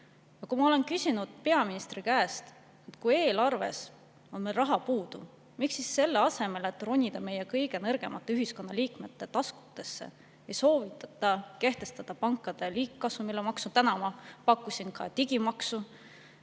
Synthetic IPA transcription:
jɑkumɑo̞le̞nkysʲinud̪̥pe̞ɑminist̪rikæːst̪ | et̪kuje̞ːlɑrve̞̰s | o̞nmelrɑɦɑpuːd̪̥ṵ | miksisːe̞lːeɑse̞me̞let̪ːˑro̞nʲːid̪̥ɑme̞je̞kɤjɡ̥e̞nɤrɡ̥e̞mɑt̪ːeyɦisko̞nːɑliːkme̞t̪ːˑe̞t̪ɑsku̥t̪ːˑe̞sːḛ | ejso̞ːvit̪ːˑɑ̥t̪ːˑɑke̞ht̪e̞st̪ɑd̪̥ɑpɑŋkːˑɑd̪̥e̞liːkːɑsumilːemɑksut̪ænɑmɑpɑkːˑusʲinkɑt̪iɡ̥imɑksu

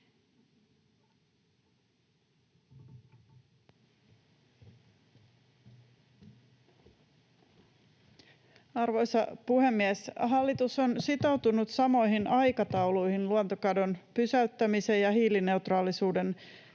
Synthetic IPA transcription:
ɑrʋo̞jsɑpuhe̞mːiɛsɦɑlːit̪uso̞nsit̪o̞wt̪unut̪sɑmo̞jɦinɑjkɑt̪ɑwlujhinluont̪okɑdo̞npysæyt̪ːæmise̞jɑɦiːline̞wt̪rɑːlisuːde̞n

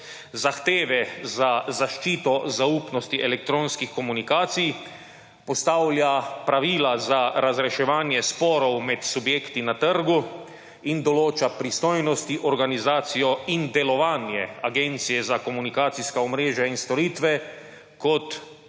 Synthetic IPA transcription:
zaxt̪eːʋɛzazaʃt͡ʃiːt̪ɔzaupnɔst̪iʔɛlɛk̚t̪ɾoːnskixkɔmunikaːt̪sij | pɔst̪aːwlʲjapɾaʋiːlazaɾazɾɛʃɛʋaːnjɛspɔːɾɔwmɛt̪subjeːkt̪inat̪əɾɡu | ind̪ɔloːt͡ʃapɾist̪ɔjnɔst̪iʔɔɾɡanizaːt̪sijɔind̪ɛlɔʋaːnjɛaɡɛnt̪sijɛzakɔmunikaːt̪siskaɔmɾeːʒjainst̪ɔɾiːt̪ʋɛ | kɔt̪

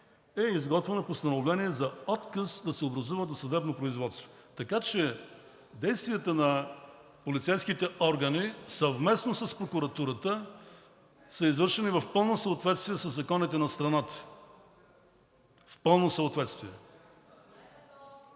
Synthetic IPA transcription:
ɛizɡɔt̪vɛnopost̪ɐnovlɛniɛzɐɔt̪kəsd̪ɐsɛobɾɐzuvəd̪osɐd̪ɛbnopɾoizvɔt̪st̪vo | t̪ɐkat͡ʃɛ | d̪ɛjst̪viət̪ənɐ | polit̪sɛjskit̪ɛʔɔɾɡɐnisɐvmɛsnosəspɾokuɾɐt̪uɾət̪ə | səizvɤɾʃɛnivɐfpɤlˠnosəːt̪vɛt̪st̪viɛsəzːɐkɔnit̪ɛnɐst̪ɾɐnat̪ə̥ | fpɤlˠnosəot̪vɛt̪st̪viɛ

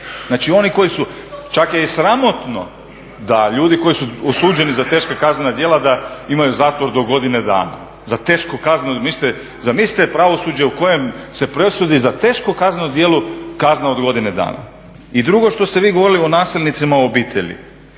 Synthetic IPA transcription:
znaːt͡ʃio̞niko̞jisut͡ʃakjeisɾamo̞t̪no̞̰ | d̪aʎuːd̪iko̞jisuosuːd͡ʒe̞nizat̪e̞ːʃkakaznenad̪jelad̪aimajuzaːt̪ʋo̞ɾd̪o̞ɡo̞d̪ined̪a̰ːna̰ | zat̪e̞ːʃkukaznmist̪e | zamist̪epɾaʋo̞suːd͡ʑeuko̞je̞mse̞pɾesud̪izat̪e̞ːʃkokaznaud̪je̞ːlukaznaod̪ɡo̞d̪ined̪a̰ːna̰ | id̪ɾuɡo̞ʃt̪o̞st̪e̞ʋiːɡoʋo̞ɾilio̞naːselʲnit̪simaobiːt̪ʰe̞̰ʎḭ

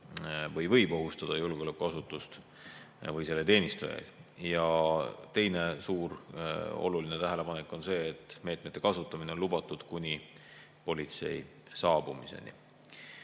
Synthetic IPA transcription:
vɤjvɤ̞jbo̞ɦust̪ɑd̪̥ɑjulɡeo̞le̞kːˑuɑsut̪ːˑust̪ | vɤjse̞lːet̪e̞ːnʲist̪ṵjḛd̪jɑt̪e̞jne̞suːɾo̞̰lulinet̪æɦele̞pɑnekːˑo̞nse̞ːt̪ːˑme̞ːt̪ˑmet̪ːe̞kɑsut̪ːˑɑmineo̞nlub̥ɑt̪ːˑud̪̥kunʲi | po̞lʲit̪se̞̰j | sɑːb̥umise̞̰nḭ

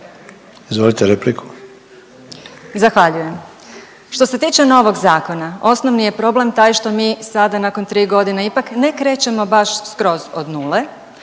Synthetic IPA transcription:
izʋo̞lit̪eɾeplikʰu̥ | zaxʋaʎuje̞m | ʃt̪o̞se̞t̪iːt͡ʃe̞no̞ʋo̞ɡzaːko̞nao̞snoʋnije̞pɾo̞ble̞mt̪aːjʃt̪o̞miːsad̪anakont̪ɾiːɡo̞d̪ineipakne̞kɾe̞ːt͡ɕe̞mo̞baʃskɾo̞zo̞d̪nuːle̞

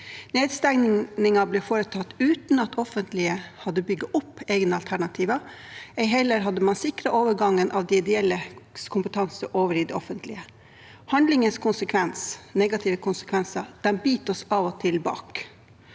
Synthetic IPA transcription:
neːd̪st̪æŋnɪŋɑblɛfoːɾət̪ʰɑt̪ːʉːt̪n̩ɑt̪ʰɔfənt̪lɪəhɑd̪ːəbʏɡːəʔʊpːeːɡnəɑlt̪ʰæɳɑt̪ʰiːʋɑ | ɛɪɦɛlːəɾɦɑd̪ːəmɑnsɪkɾəʔoːʋəɾɡɑŋːənʔɑʋd̪ɛɪd̪ɛɛlːəkʰʊmpət̪ʰɑnsəʔoːʋəɾiːd̪ɛɔfənt̪ʰlɪ̰ə | hɑnd̪lɪŋənskʰʊnsəkʰʋɛnsnɛɡɑt̪ʰɪːʋəkʰʊnsə̥kʰʋɛnsəd̪̥ɛnbiːt̪ɔsɑʋɔt̪ʰɪlbɑ̰ːk

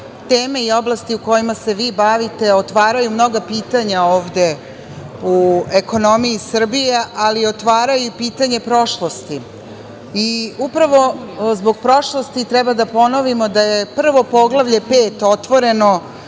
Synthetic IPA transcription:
t̪e̞ːme̞io̞blast̪iuko̞jimase̞ʋiːbaʋit̪e̞ot̪ʋaːɾajumno̞ɡapiːt̪aɲaoːʋd̪e̞ | ue̞ko̞no̞miisr̩bijeʔalio̞t̪ʋaːɾajupiːt̪aɲe̞pɾo̞ʃlˠo̞st̪i | iupɾaʋo̞zbo̞ɡpɾo̞ʃlˠo̞st̪it̪ɾɛbad̪apo̞no̞ʋimo̞d̪aje̞pr̩ʋo̞po̞ɡlˠaʋʎe̞peːt̪o̞t̪ʋo̞ɾe̞no̞

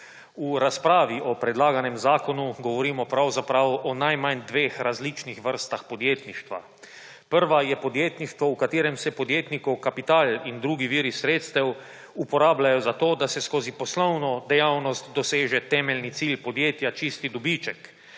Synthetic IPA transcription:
uɾaspɾaːʋiʔɔpɾɛd̪laːɡanɛmzaːkɔnuɡɔʋɔɾiːmɔpɾawzapɾawɔnajmand̪ʋeːxɾazlit͡ʃnixʋəɾst̪axpɔd̪jeːt̪niʃt̪ʋa̰ | pəɾʋajɛpɔd̪jeːt̪niʃt̪ʋɔukat̪iːɾɛmsɛpɔd̪jeːt̪nikɔwkapit̪aːlind̪ɾuːɡiʋiːɾisɾeːt̪st̪ɛw | upɔɾaːblajɔzat̪oːd̪asɛskoːzipɔslɔwnɔd̪ɛjawnɔst̪d̪ɔseːʒɛt̪ɛːmɛlnit̪silpɔd̪jeːt̪jat͡ʃist̪id̪ɔbit͡ʃɛk

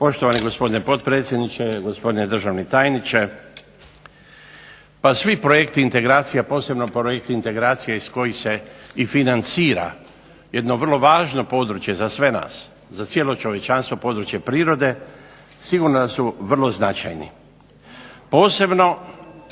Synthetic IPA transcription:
po̞ʃt̪oʋaniɡo̞spo̞d̪inepo̞t̪pɾe̞ːt̪sje̞d̪nit͡ʃeɡospo̞d̪ined̪r̩ʒaʋnit̪aːjnit͡ʃe̞ | pasʋipɾoje̞kt̪iːnt̪e̞ɡɾaːt̪sijapo̞ːse̞bnopɾojek̚t̪iːnt̪e̞ɡɾaːt̪sijaisko̞jise̞ifinant̪siːɾa̰ | jed̪no̞ʋr̩lo̞ʋaːʒnopo̞d̪ɾut͡ʃje̞zasʋe̞na̰ːs | zat̪sjelo̞t͡ʃo̞ʋje̞t͡ʃanst̪ʋopo̞d̪ɾut͡ʃje̞pɾiːɾo̞d̪e̞ | siɡuɾnod̪asuʋr̩lˠoznat͡ʃa̰jnḭ | po̞ːse̞bno̞

